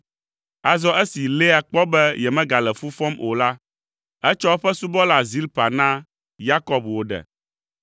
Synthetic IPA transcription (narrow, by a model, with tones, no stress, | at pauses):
a˨zɔ˦ʔɛ˦si˨le˦a˨k͡pɔ˦bɛ˦jɛ˨mɛ̃˦ɡa˨lɛ˨fu˦fɔ˦mo˨la˦ | ɛ˦t͡ʃɔ˦ɸɛ˦su˦bɔ˦la˨zi˦lpa˨nã˦ | ja˦kɔ˨bwo˨ɖɛ̰˨